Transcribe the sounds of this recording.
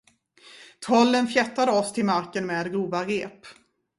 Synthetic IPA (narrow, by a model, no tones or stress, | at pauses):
t̪ʰɔlːənfjɛt̪ːad̪əɔst̪ʰɪlmaɾkənmeːd̪ɡuːvaɾeːp